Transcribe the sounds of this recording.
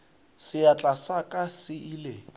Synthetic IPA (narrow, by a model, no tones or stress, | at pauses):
sɪat͡ɬʼasakʼasɪʔiːle